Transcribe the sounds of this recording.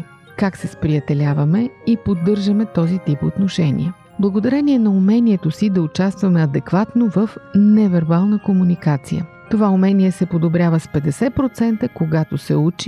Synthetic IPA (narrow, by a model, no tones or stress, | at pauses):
kaksɛspɾiɐt̪ɛlʲavɐmɛipod̪ːɤɾʒəmɛt̪ɔzit̪ipot̪noʃɛnʲḭə | blˠɐɡod̪ɐɾɛniɛnɐumɛniɛt̪osid̪ɐʊt͡ʃast̪vɐmɛɐd̪ɛkvat̪novəfnɛvɛɾbalˠnəkomunikat̪sḭjə̰ | t̪ovaumɛniɛsɛpod̪obɾʲjavəspɛd̪ɛsɛpɾot̪sɛnt̪əkoɡat̪osɛut͡ʃi